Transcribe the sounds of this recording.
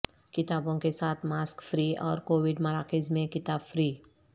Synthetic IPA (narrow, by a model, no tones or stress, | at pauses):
kɪt̪aːbõkesaːt̪ʰmaːskfɾiːɔ̰ːɾkoːwɪɖmɐɾaːkɪzmẽkɪt̪aːbfɾiː